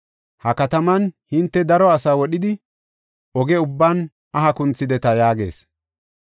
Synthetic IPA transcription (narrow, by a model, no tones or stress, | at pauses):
hɐkɐt̪ɐmɐnhɪnt̪ːɛd̪ɐɾɔɐsaːwɔɗɪd̪ɪ | ʔɔɡɛʊbːan | ɐɦɐkʊnt͡sːɪd̪ɛt̪ɐjaːɡe̞̰ːs